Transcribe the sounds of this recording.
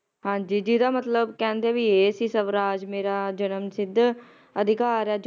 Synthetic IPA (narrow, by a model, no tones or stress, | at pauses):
hãːɲd͡ʒiːd͡ʒiːd̪aːmət̪ləbkɛ̃ːnd̪eːbieːsiːsəʋɾaːd͡ʒmeːɾaːd͡ʒənəmsɪd̪ | əd̪ʱɪkaːɾaːd͡ʒ